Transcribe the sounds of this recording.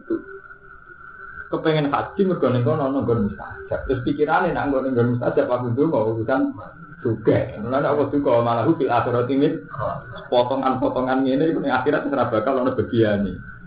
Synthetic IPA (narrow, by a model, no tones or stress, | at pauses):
t̪u | kəpeŋɛnka̰̥d͡ʒ̥iməɡ̥ɔ̤neŋkɔnlɔnɔŋɡɔnmist̪a̰̥ʒ̥ap̚t̪ɾʊspikiɾanenaŋɡɔneŋɡɔnmist̪ḁd͡ʒ̥ap̚labunt̪uŋɔwɔbisan | d̪̥oɡ̥ɛnɔnɔnɔkɔd̪̥ukɔwɔmalaɦufilaseɾɔt̪iŋɪnsə̥pɔt̪ɔŋanpɔt̪ɔŋanŋenekunɪŋaxiɾat̪̚isəɾab̥a̤kalːɔnɔb̥a̤ɡ̥ijane